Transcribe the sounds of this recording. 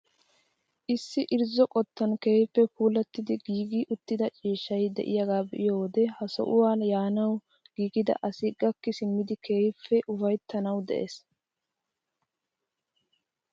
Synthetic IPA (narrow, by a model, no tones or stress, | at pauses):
ʔɪsːɪʔɪɾzɔkʼɔt̪ːɐnkeːjɪpːɛpuːlɐt̪ːɪd̪ɪɡiːɡiːʔʊt̪ːɪd̪ɐt͡ʃʼiːʃːɐjd̪ɛ̰ʔɪjaɡaːbɛʔɪjoːwɔd̪ɛhɐsɔ̰ʔʊwaːnjaːnɐw | ɡ̥iːɡɪd̪ɐ̰ʔɐsiːkʼːɐkːɪsɪmːɪd̪ɪkeːjɪfːɛʔʊfɐjt̪ːɐnɐwd̪ɛ̰ʔḛːs